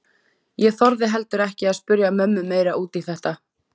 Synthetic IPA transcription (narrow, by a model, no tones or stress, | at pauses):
jɛθɔɾðɪɦɛlt̪ʏɾɛhcɪaðspʏɾjamœmːʏmːeːjɾaʔuːt̪iθɛht̪a